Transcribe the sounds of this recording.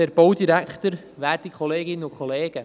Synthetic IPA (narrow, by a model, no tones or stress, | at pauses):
ɛɾb̥owd̪iɾækt̪əɾ | ʋæːɾdikʰχɔleːɡɪnːəʊkχɔleːɡ̥ə